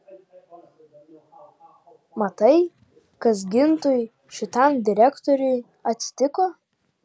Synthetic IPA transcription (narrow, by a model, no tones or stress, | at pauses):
mɐt̪ɐɪ | kɐs̬ɡʲɪnt̪ʊj | ʃʲɪt̪ʰand̪ʲɪɾʲɛkt̪oɾʲʊj | ɐtʲsʲɪ̥t̪ʲɪko